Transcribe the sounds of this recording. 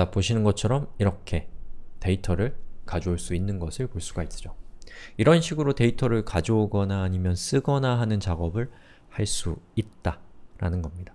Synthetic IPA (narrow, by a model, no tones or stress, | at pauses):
apoɕʰinɯnɡʌt͡ɕʰʌɾʌmiɾʌkʰe̞te̞itʰʌɾɯɭkad͡ʑouɭs͈uinːɯnɡʌsʰɯɭpoɭs͈uɡait̚t͡ɕ͈oiɾʌnɕʰiɡɯɾote̞itʰʌɾɯɭkad͡ʑooɡʌnaːɲimjʌns͈ɯɡʌnaɦanɯnt͡ɕaɡʌbɯɭ | haɭs͈uit̚t͈aɾa̰nɯnɡʌmɲida